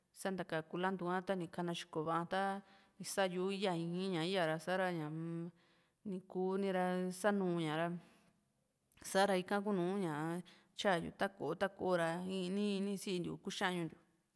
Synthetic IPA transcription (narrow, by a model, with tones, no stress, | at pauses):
sa˦nd̪a˨ka˨ku˧la˦nd̪u˧ã˦t̪a˦nĩ˧ka˧nã˧ʃi̥˧ko˨βa˧ʔã˧t̪a˦ | i˧sa˦˨˧ju˧˦i˦ja˧ĩ˧ĩ˦ɲã˨i˦ja˧˨ɾa˧sa˦ɾa˧ɲã˨ | nĩ˧kuː˦nĩ˧ɾa˧sa˦nũː˧ɲã˨ɾa˧ | sa˦ɾa˧i˧kã˦k̬u˦nũː˨˦ɲã˨˧ | t͡ʃa˦˨jṵ˧˨t̪a˦ko̰˨o˧˦t̪a˦ko˧ɾa˧i˦˧nĩ˦i˧nĩ˦si˦˧nd̪ṵ˨ku˦ʃa˦ɲũ˧nd̪u˨